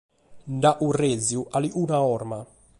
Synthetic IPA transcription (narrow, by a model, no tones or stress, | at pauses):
ndaʔureziuʔaliʔunaɔːrma